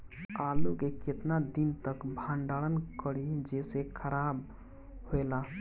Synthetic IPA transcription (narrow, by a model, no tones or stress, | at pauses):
alukeket̪nad̪int̪əkbʱãɳɖaɭənkəɽid͡ʒesekʰəɾab | hoela